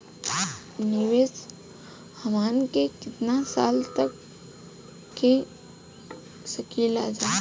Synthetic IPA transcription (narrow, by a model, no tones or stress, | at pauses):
nɪʋeːs | hɐmaːnkekɪt̪nasaːlt̪ɐk | ẽ | səkiːlaːd͡ʒaː